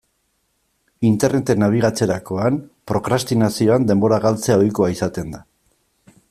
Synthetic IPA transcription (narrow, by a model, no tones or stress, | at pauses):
int̪e̞rne̞t̪e̞naβ̞iɣ̞at͡se̞ɾako̞anpɾo̞kɾast̪inasio̞and̪e̞mbo̞ɾaɣalt͡se̞ao̞jko̞aisat̪e̞nd̪a